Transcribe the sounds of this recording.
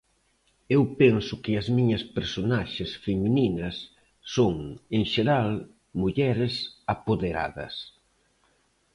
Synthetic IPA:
ewpɛnsʊkɪɐzmiɲɐspeɾsonaʃɪsfemininɐsː | oŋeŋʃeɾal | muʎɛɾɪsapoðeɾa̰ðɐ̰s

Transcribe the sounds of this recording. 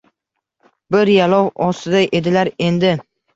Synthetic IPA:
bɪɾjalɒwɒst̪ɪd̪aʔe̞d̪ɪlaɾe̞nd̪ɪ

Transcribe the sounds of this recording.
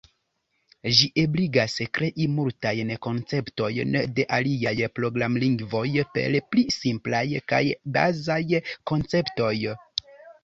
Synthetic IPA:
ʒiʔo̞bliɡaskɾe̞ʔimultajnko̞nt͡se̞pto̞jnde̞ʔaliajpɾo̞ɡɾamliŋɡvo̞jpe̞̰lplisimplajka̰jba̰zajko̞nt͡se̞pto̞j

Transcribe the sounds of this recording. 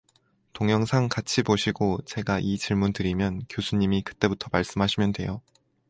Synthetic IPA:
toŋjʌŋsʰaŋkat͡ɕʰipoɕʰiɡot͡ɕe̞ɡaʔit͡ɕiɭmuntɯɾimjʌnkjosʰuɲːimikɯ̥t͈e̞butʰʌmaɭs͈ɯmɦaɕʰimjʌndwe̞̰jo

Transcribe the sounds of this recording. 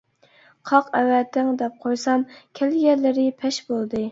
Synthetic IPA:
qʰɑqɛwɛt̪ʰːɪŋd̪ɛp̚qʰojsɑmkʲʰɛlɡʲɛlːɪɾɪpʰɛʃbolˠd̪ɨ

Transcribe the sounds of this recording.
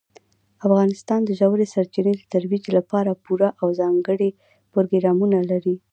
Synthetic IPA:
afɣɑnɪst̪ɑnd̪əʒawɾesaɾt͡ʃɪned̪ət̪aɾwid͡ʒlapɑɾapuɾaʔawzɑŋɡəɽe | pʊɾoɡɾɑmunalaɾi

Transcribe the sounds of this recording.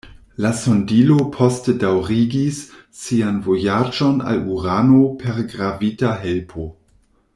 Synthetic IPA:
lasondilopʰo̞stedawɾiɡisː | ianvo̞jad͡ʒo̞na̰luɾano̞pʰe̞ɾɡɾavitaɦelpʰo̞

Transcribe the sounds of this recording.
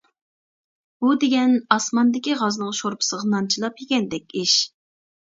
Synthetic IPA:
bud̪eɡʲɛnɑsmɑnd̪ɪkʲiʁɑznɨŋʃoɾpʰɨ̥səʁɑnɑnt͡ʃʰilˠɑp̚hekʲɛnd̪ɛkʲiʃ

